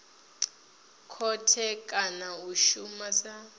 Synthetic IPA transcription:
kʰɔtʰɛkʼanauʃumasa

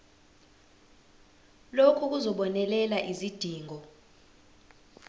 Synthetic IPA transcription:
lokʰuk̬uzɔɓɔnɛlɛlaʔizid̥ʱiːŋʱɔ

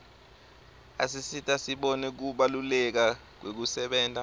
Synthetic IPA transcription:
a̰s̬isitʼasiɓɔnɛk̬uɓalulɛk̬a | k̬wek̬usɛɓɛːntʼa

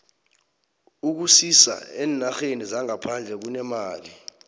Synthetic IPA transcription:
uk̬usisa̰ɛːnaxenizaŋapʰand͡ɮʱɛk̬unɛmaːli

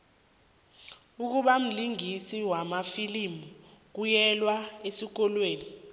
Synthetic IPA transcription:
uk̬uɓam̩liŋisiwamafilimuk̬ujɛlwaesik̬ɔlweːni

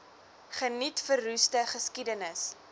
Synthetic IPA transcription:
χənitfərːʉstəχəskidənəs

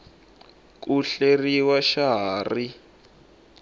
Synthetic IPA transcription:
k̬ʼuɬeriwaʃaɦaːri

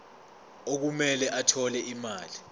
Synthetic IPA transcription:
ok̬umɛlɛʔatʰɔlɛʔimaːli

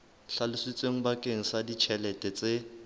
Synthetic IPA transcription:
ɬalʊsit͡sʼeŋ̩bakʼeŋ̩sadit͡ʃʰɛlɛtʼɛt͡sʼe

